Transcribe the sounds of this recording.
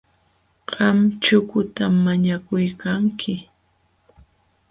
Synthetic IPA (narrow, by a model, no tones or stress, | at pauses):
ɢ̥ɑmt͡ʃʊkʊt̪amːaɲakʊjkaŋkʰɪ